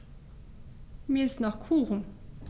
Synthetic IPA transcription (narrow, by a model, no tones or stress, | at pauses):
misnɑχkʰuːʁm